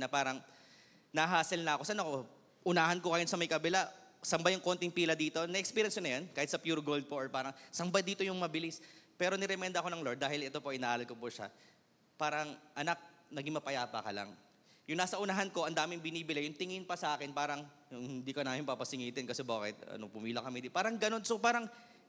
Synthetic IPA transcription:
nɐpaːɾɐŋ | nɐɦaːsɐlnɐɐko̞sɐnɐko̞ | ʔʊnaːhɐnkokɐjonsɐmɐjkɐbɛlasɐmbajʊŋko̞nt̪ɪŋpiːlɐd̪iːt̪o̞nɐʔɛkspiɾjɐnsɐnɐjankaːhɪt̪sɐpjuːɾoɡold̪̚poʔɔɹpaːɾɐŋsɐmbajd̪iːt̪o̞jʊŋmɐbɪlɪspɛːɾo̞nɪɾɛmɛnd̪ɐʔɐko̞nɐŋlod̪̚aːhɪlʔɛt̪o̞poʔɪnaʔaːlɐlkopʊʃa̰ | paːɾɐŋʔɐnak̚nɐɡiŋmɐpɐjaːpɐkɐla̰ŋ | jʊŋnaːsɐʔʊnɐɦanko̞ʔɐnd̪aːmɪŋbɪniːbɪlɛjʊŋt̪ɪŋɪnpɐsɐʔaːkɪnpaːɾɐŋ | hɪnd̪iːkɐnaːmɪŋpapɐsɪŋiːt̪ɪnkɐsɛbaːkɪt̪̚ɐ̰nopʊmiːlɐkɐmɛd̪ipaːɾɐŋɡɐno̞nsopaːɾɐŋ

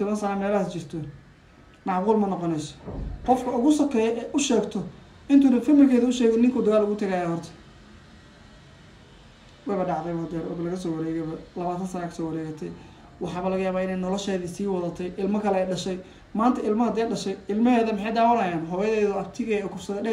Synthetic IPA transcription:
t̪ʰɔβɐnsɐnaːmɛːlɐaːst͡ʃɪrt̪ʰɔ | nɑʕʁuːlmɐnɔqɔnɛjsɐ̥qɔfkʰɐʊɣʊsɐkʰɛːjɛʔɛʔʊʃɛːɡt̪ʰɔ | ʔɪnt̪ʰuːnɐfɐmɪlkʰɛːðɐʊʃɛːɣɔnɪŋkʰuːd̪ɐɣaːlʊɣʊt̪ʰɐɣaːjahɔrt̪ʰɐ̥ | wɛβɐɖɑʕðɛjβɔːd̪ɛɾɔ̰ːbɐlɐɣɐs̬ɔːwɐɾɛːɣɛjβɐlɐβaːt̪ʰɐnsɐnaːkʰɐ̥sɔːwɐɾɛːɣɐt̪ʰɛj | wɑħɑːβɐlɐɣɐjaːβaːɪnɛjnɔlɔʃɛːðiːsiːwɑðɐt̪ʰɛjʔɪlmɐkʰɐlɛːjɖɐʃɛj | maːnt̪ʰɐɪlmɐhɐd̪ɛːɖɐʃɛjɪlmɐɦɛːðɐmɪħɑjd̪aːwɐɾɐjaːnɦɔβjɐðɛːðɔɐb̚t̪ʰɪɣɛɔːkʰʊfsɐðɐɖɛ

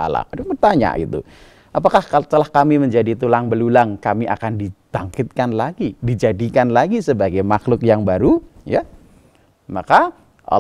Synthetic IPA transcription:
a̰la̰daŋbərt̪aɲa̰ḭt̪ṵ | ʔap̬akaht̪əlahkamiməɲd͡ʒadit̪ulaŋbəlulaŋkamiʔa̰kandib̪̥aŋkɪt̪̚kanlaɡidid͡ʒadikanlaɡisəbaɡajmaxlʊkjaŋbaɾuja̰ | maka | ʔa̰

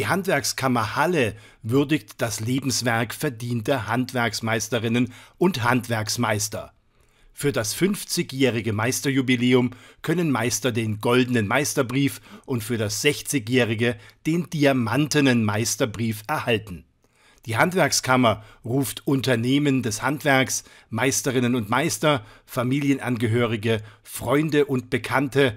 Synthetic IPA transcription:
diːhantv̥ɛɐkskʰamɐhalə | vʏɐdɪçtd̥asleːbm̩sv̥ɛɐkfɛɐdiːntɐhantv̥ɛɐksmaɪstəʁɪnənʔʊnthantv̥ɛɐksmaɪstɐ̰ | fyːɐdasfʏnft͡sɪçjɛːʁ̞ɪɡəmaɪstɐjubileːʊmkʰœnənmaɪstɐdeːnɡɔldn̩ənmaɪstɐbʁiːfʔʊntfyːɐɾasz̥ɛçt͡sɪçjɛːʁɪɡəd̥eːndiamantənənmaɪstɐbʁiːfɛɐhaltn̩ | d̥iːɦantv̥ɛɐkskʰamɐʁuːftʔʊntɐneːməndɛshantv̥ɛɐks | maɪstəʁɪnənʊntmaɪstɐfamiːljənʔa̰nɡəɦøːʁɪɡə | fʁ̥ɔʏndəʔʊnt̚b̥əkʰantə

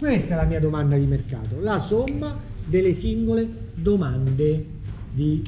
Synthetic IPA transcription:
kwest̪aɛlamiːad̪omand̪ad̪imerka̰ːt̪olasomːad̪elːesiŋɡoled̪omand̪e | d̪i

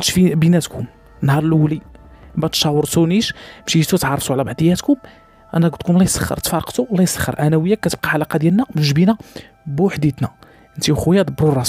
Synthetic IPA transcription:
nʃfibinæt̪kʊm | nhɑɾˤlʔwlibæt̪ʃɑwəɾˤt̪uniʃmʃiisut̪ʕɑrˤːɑt̪uʕlæbaʕd̪əjhæt̪kʊm | ʔænæɡt̪kʊmlæjsə̥xːə̰ɾt̪fɑɾˤqt̪ulæjsəxːə̰ɾˤʔænæwəjːækːæt̪əb̚qɑʕalɑqɑd̪jælnæməʃbinæ | bʊħd̪jæt̪næ | ʔənt̪iwxujæd̪əbɾurˤːɑs

